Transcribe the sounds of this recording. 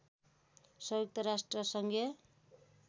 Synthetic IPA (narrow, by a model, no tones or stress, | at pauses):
sʌjok̚t̪ʌɾasʈrʌsʌŋɡʱjʌ